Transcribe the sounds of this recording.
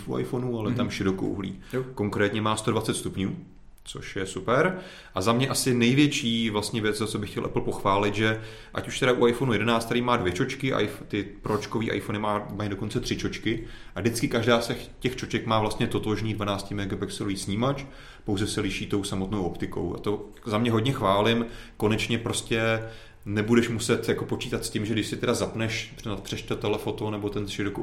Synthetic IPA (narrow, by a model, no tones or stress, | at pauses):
ifṵa̰jfonualɛt̪amʃɪɾoko̰wɦlḭːko̞ŋkɾɛːt̪ɲɛmaːst̪o̞dvat͡sɛt̪st̪upɲuː | t͡so̞̰ʃjɛsupɛɾ | ʔazamɲɛʔasɪnɛjvjɛt͡ʃiːvlast̪ɲɛvjɛt͡szat͡sobɪxcɛlʔɛ̰pl̩po̞xvaːlɪt̪ʒɛ | ʔa̰cuʃt̪ɛɾaʔuʔajfonujɛdɛnaːt͡st̪aɾimaːdvjɛt͡ʃo̞t͡ʃkɪʔa̰jft̪ɪpɾot͡ʃkoviːʔa̰jfonɪmaːmaɲjido̞ko̞nt͡sɛt̪r̝̥ɪt͡ʃo̞t͡ʃkɪʔadɪt͡skɪkaʒdaːsɛxcɛxt͡ʃot͡ʃɛkmaːvlast̪ɲɛt̪o̞t̪oʒniːdvanaːt͡scɪmɛɡapɛksɛluiːsɲiːmat͡ʃ | po̞wzɛsɛlɪʃiːt̪o̞wsamot̪nowʔopt̪ɪko̞̰wa̰t̪o̞ | zamɲɛɦo̞dɲɛxvaːlɪmko̞nɛt͡ʃɲɛpɾo̞scɛ | nɛbudɛʃmusɛt̪jako̞po̞t͡ʃiːt̪at̪scɪmʒɛɡdɪʃsɪt̪ɛdazapnɛʃnapr̥ɛʃt̪ɛt̪ɛlɛfo̞t̪onɛbot̪ɛnr̥ɪɾok